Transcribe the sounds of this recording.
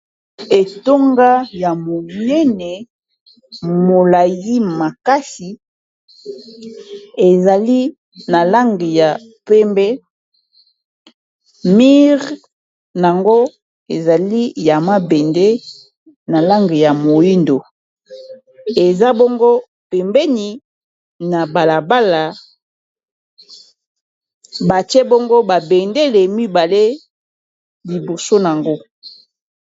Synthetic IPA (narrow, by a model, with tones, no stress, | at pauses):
e˨to˦ŋɡa˦ja˨mo˨nɛ˦nɛ˨ | mo˨la˨ji˦ma˨ka˦si˨ | e˨za˨li˦ | na˨la˦ŋɡi˨ja˨ | pɛ˦mbɛ˦ | mi˦ʁ | na˨ŋɡo˦ | e˨za˨li˦ja˨ma˦be˨nde˦ | na˨la˦ŋɡe˨ja˨mo˨ji˦ndo˨ | e˨za˦bo˦ŋɡo˦ | pe˨mbɛ˦ni˨ | na˨ba˨la˨ba˦la˨ | ba˨ti˦e˦bo˦ŋɡo˦ba˨be˨nde˦le˨mi˦ba˨le˦ | li˨bo˨so˦na˨ŋɡo˦